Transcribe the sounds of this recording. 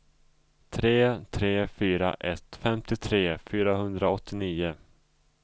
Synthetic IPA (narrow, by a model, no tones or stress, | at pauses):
t̪ʰɾeːt̪ʰɾeːfyːɾa̰ʔɛt̪fɛmt̪ɪt̪ʰɾeːfyːɾaɦɵnd̪ɾaɔt̪ʰːɪniːʊ